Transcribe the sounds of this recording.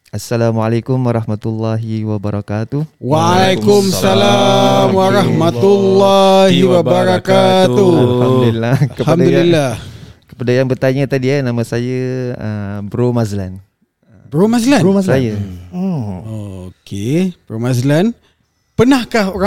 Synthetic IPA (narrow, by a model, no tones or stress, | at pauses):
asːalamualakumwaɾɑhmat̪ulːaɦiwabaɾakat̪uwaalajkumsalamwaɾahmat̪ulːaɦiwabbaɾakat̪ulhamd̪ulilːakəhamdad̪ulilːahkə̥padajaŋbərt̪aɲət̪adianamãsajəəbɾomazlan | bɾomazlanoassaja | okʰebɾomazlan | pənahkahoɾa